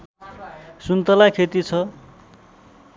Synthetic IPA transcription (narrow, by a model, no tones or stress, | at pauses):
sunt̪ʌlakʰet̪it͡sʰʌ